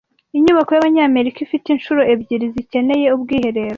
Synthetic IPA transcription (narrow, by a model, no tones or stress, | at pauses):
iɲuβakojaβaɲaːme̞ɾikifitinʃuɾo̞ʔe̞bɟiɾizice̞ne̞je̞ubɡiːhe̞ɾe̞ːɾo